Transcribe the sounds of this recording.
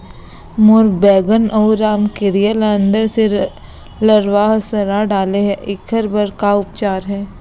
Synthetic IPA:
mʊɾɡbɛːɡənʔɔːɾaːmkeɾijələ̃nd̪əɾse | ləɾʋaːɦsəɾaɖaːleɦɛʔɪkʰəɾbəɾkaʊp̚t͡ʃaːɾɦɛː

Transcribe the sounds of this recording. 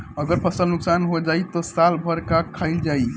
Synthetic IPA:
əɡəɾpʰəsəlnuksanɦod͡ʒajt̪ɔsalbʱəɾkakʰːəɪld͡ʒai

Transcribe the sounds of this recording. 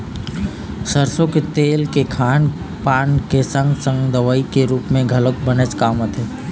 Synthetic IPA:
səɾsõket̪eːlkekʰaːn | paːnkesə̃ŋɡsə̃ŋɡd̪əʋəikeɾuːpmẽɡʱɐlək̚bənət͡ʃkaːmət̪ʰeː

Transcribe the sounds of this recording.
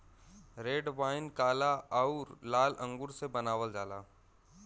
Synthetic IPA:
ɾeːɖʋaːɪnkaːlaaʊɾlaːlə̃ŋɡʊɾsebənaːʋəld͡ʒaːla̰ː

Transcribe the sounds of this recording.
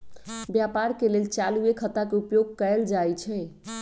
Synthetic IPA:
bjapaɾkelelt͡ʃaluekʰət̪akeupjoɡ̚kəɛld͡ʒajt͡ʃʰɛ

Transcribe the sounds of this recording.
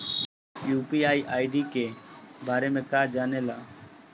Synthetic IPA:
juːpiːaːiʔaːɪɖiːkeːbaːɾeːmẽːkaːd͡ʒaːneːlaː

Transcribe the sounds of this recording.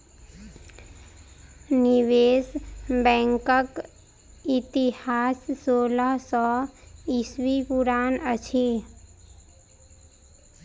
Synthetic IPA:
nɪʋeːsbɛ̃ːŋkək | ɪt̪ihaːssoːləɦsɔɪswipʊɾaːnət͡ʃʰi

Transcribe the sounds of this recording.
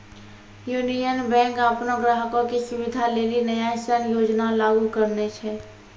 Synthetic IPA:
juːnijənbɛ̃ːŋkəpnõɡɾaːɦkõkisʊbɪd̪ʱaleːlinəjasənjoːd͡ʒnalaːɡukəɾnet͡ʃʰɛ

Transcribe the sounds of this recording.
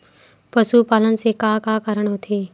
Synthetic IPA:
pəsupaːlənsekaːkakaːɾəɳ̃ɦot̪ʰeː

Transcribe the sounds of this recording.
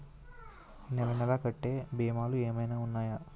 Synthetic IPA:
nɛɾɐnɐlaːkɐʈːeːbeːmaːlueːmɐjnaːunːaːja

